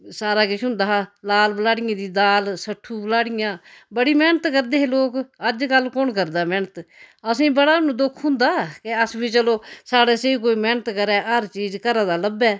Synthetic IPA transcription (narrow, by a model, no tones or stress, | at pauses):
saːɾaːkɪt͡ʃʰɦʊ̃nd̪aːɦlaːlbəlaːɽɪjãːd̪iːd̪aːlsəʈʰːuːblaːɽɪjãːbəɽiːmɛːnət̪kəɾd̪eːɦeloːkəd͡ʒkəlkonkəɾd̪aːmɛːnət̪əsĩːbəɽaːnũːd̪ʊkʰɦʊ̃nd̪aːkeəsbiːt͡ʃəloːsaːɽeːseik̬oːiːmɛːnət̪kəɾɛːʔəɾt͡ʃiːzkəɾãːd̪aːləbɛː